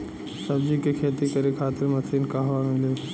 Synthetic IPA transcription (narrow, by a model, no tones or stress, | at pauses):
sɐbd͡ʑikekʰeːt̪ikɐɾekʰaːt̪ɪɾmɐt̪ʰiːnkaːɦʋaːnmɪljoː